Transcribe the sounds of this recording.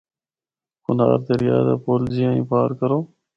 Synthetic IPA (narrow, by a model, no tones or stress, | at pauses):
kʊnaːɾt̪eːɾɪjaːd̪a̰ːpoːlzijãːĩːpaːɾkəɾoː